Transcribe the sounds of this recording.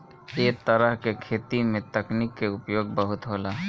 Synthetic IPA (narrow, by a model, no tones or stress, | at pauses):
eːt̪əɾəɦkekʰeːt̪imẽt̪ɐknikːeʊpjoːɡ̚bəɦʊt̪ɦoːlaː